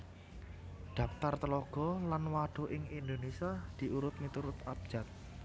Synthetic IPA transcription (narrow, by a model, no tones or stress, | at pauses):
d̪̥a̤pt̪art̪əlɔɡ̥ɔ̤lanwaɖ̪̥o̤ʔɪŋind̪onesiad̪̥i̤uɾʊt̪̚mit̪uɾʊt̪ab̥̚d͡ʒ̥a̤t̪̚